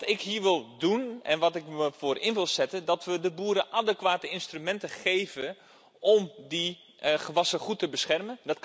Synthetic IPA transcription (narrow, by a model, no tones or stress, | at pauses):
tɪkɦiːʋɪlˠdunʔɛ̰nʋɔtɪkməfoːrʔɪnʋɪlˠsɛtəndɔtʋədəbuːɾəʔadəkʋaːtəɪnstrymɛntəχejvən | ʔɔmdi | χəʋɑsəχutəbəsxɛrməndɔt